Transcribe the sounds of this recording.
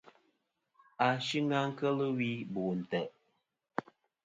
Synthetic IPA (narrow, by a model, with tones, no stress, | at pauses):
a˨ʃi˦ŋa˦ŋ̩˦kə˦lə˦wi˦bu˨n̩˨tɛ˨ʔ